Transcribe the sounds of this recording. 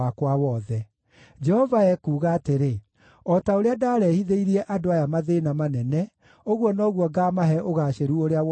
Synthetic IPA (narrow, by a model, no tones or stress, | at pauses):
akwawɔðɛ | d͡ʒɛhɔvaɛkuːɣaːteɾe | ɔtaoɾeadaːɾɛhiðeiɾiɛʔadoajamaðenamanɛnɛ | oɣwɔnɔɣwɔɡaːmaɦɛʔoɣaːɕeɾuoɾea